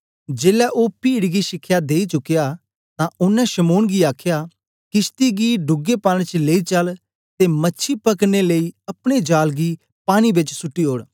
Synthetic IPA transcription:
d͡ʒeːlɛːʔoːpiːɽɡiːʃɪkʰːjaːd̪eːit͡ʃʊkːɪjaː | t̪ãʔʊnːɛ̃ʃəmoːnɡiaːkʰjaː | kɪst̪iɡiːɖʊɡeːpãːñt͡ʃleit͡ʃəl | t̪eːmətːʃʰipəkneləiːɐpɽ̃ed͡ʒaːlɡiː | paːñibɪt͡ʃsʊʈːiːɦoːɽ

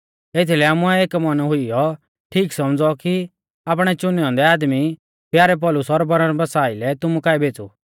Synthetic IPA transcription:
eːt̪ʰilɛaːmuɛeːkmɐnɦʊijɔ | ʈʰiːksɐmd͡zɔki | aːp̬ɽ̃ɛt͡ʃʊnɛɔ̃nd̪ɛaːd̪mi | pjaːɾɛp̬ɔlʊsɔːɾbɐɾəɾbɐsaːilɛt̪ʊmukaːɛbʱeːt͡sṵ

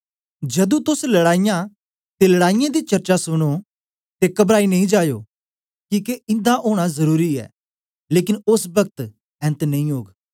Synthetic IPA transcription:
d͡ʒɐd̪ũt̪ʊslɐɽaːijã | t̪elɐɽaːɪjãd̪it͡ʃɐɾt͡ʃasʊɽ̃o | t̪ekɐbɾaːinɐ̃ĩd͡ʒaːjo̰ː | kiːkeɪ̃nd̪aʔoːɽ̃azɐɾuːɾiɛ̰ː | leːkɪnʊsbɐɡət̪ | ɛ̃ːnt̪nɐ̃ĩɦoːɡ

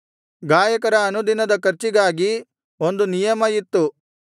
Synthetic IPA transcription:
ɡaːjɐkɐɾɐːnud̪inɐd̪ɐkɐɾt͡ʃiɡaːɡi | o̞nd̪unijɐmɐjit̪ːu

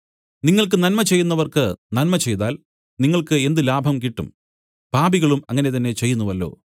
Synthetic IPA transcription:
niŋːɐɭk̬ɨnɐnmɐt͡ɕe̞jːunːɐʋɐrkɨnɐnmɐt͡ɕe̞jt̪aːl | niŋːɐɭkɨe̞nd̪ɨlaːbʱɐmk̬iʈːum | paːbiɣɐɭumɐŋːɐne̞t̪̬ɐnːe̞t͡ɕe̞jːunːuʋɐlːo̞̰ː

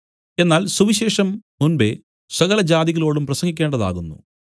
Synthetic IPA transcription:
e̞nːaːlsuʋiɕeːʂɐmmunbe̞ | sɐɣɐlɐd͡ʑaːðiɣɐlo̞ːɽumprɐsɐŋɡikʲːeːɳɖɐða̰ːɣunːṵ

